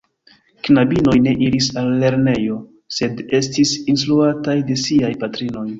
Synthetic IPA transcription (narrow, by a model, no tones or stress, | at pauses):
knabino̞jne̞ʔiɾisalːe̞ɾne̞jo̞ | se̞de̞stisinstɾuatajde̞siajpatɾino̞j